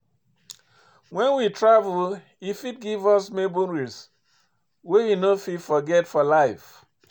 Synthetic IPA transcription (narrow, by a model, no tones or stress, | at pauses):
wɛ̃nwitɹavul | ifit̚ɡivɔsmebũnɹis | wewinofitfɔɡɛtfɔlaɪf